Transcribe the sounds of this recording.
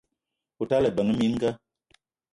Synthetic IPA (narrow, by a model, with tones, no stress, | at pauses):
u˨ta˦lə˨bə˨ŋə˦mi˦n̩˦ɡa˦